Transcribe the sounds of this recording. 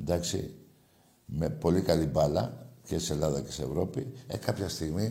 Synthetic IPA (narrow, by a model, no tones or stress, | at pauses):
nd̪ɐksḭ | me̞po̞likɐlibɐlɐce̞selɐðɐce̞̥seḛvɾo̞piḛkɐpçɐst̪iɣmi